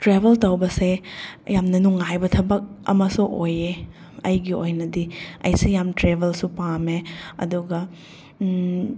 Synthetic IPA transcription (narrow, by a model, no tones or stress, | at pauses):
tɾebʱeltowbɐsejamnɐnuŋajbɐtʰɐbɐk̚ɐ̰mɐsuʔoje | ɐjɡiojnɐdiɐ̰jsijamtɾebʱɐlsupameɐ̰duɡɐ